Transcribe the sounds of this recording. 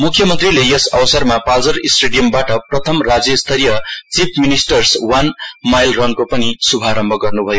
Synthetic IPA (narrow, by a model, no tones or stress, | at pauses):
mukʰːjʌmʌnt̪rilejʌsʌbʌsʌrmapald͡zʌɾisʈeɽijʌmbaʈʌprʌt̪ʰʌmrad͡zjʌst̪ʰʌɾijʌt͡sipʰminisʈʌrswanmajlrʌnkopʌnisubʱaɾʌmbʱʌɡʌrnubʱʌjo